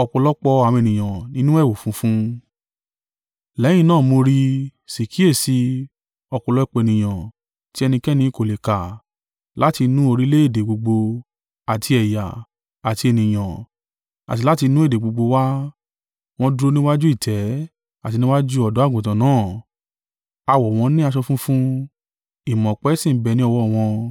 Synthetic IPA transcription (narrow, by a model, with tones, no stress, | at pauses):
ɔ˧k͡pɔ˧lɔ˦k͡pɔ˧ã˨˧e˨nĩ˨j̃ã˨nĩ˦nũ˦ɛ˦˨wo˨fũ˨˧˦fũ˦ | lɛ˨˦j̃ĩ˦˧nãː˦˨mo˧ɾi˦˧si˨ki˨˦e˦˨si˧ | ɔ˧k͡pɔ˧lɔ˦k͡pe˨nĩ˨j̃ã˨ | ti˦ɛ˧nĩ˧kɛ˦nĩ˧˨ko˨le˨ka˨ | la˨˦ti˧nũ˦o˧ɾi˦le˦e˦˨de˨ɡ͡bo˧ɡ͡bo˧ | a˨tʰi˧ɛ˨ja̰˨ | a˨ti˧e˨nĩ˨j̃ã˨ | a̰˨ti˧la˦ti˧nũ˦e˦˨de˨ɡ͡bo˧ɡ͡bo˧wa˦ | w̃ɔ̃˦dɾo˦˧nĩ˦wa˦d͡ʒu˦i˦˨tʰɛ˨˦ | a˦˨ti˧nĩ˦wa˦d͡ʒu˦ɔ˦˨dɔ˨˦˨ɡũ˨tã˨nãː˨˦˨ | a˧wɔ˨w̃ɔ̃˧nĩ˦a˧ʃ̬ɔ˧fũ˦fũ˦ | i˨mɔ̃˨k͡pɛ˨˦sĩ˦˨˦bɛ˨nĩ˦ɔ˧wɔ˧˦˨w̃ɔ̃˧